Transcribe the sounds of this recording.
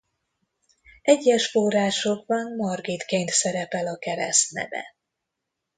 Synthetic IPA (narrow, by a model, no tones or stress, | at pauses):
ɛɟːɛʃfoːraːʃo̞ɡbɒnmɒrɡit̪keːnt̪sɛɾɛpɛlɒkɛɾɛ̰st̪nɛ̰vɛ̰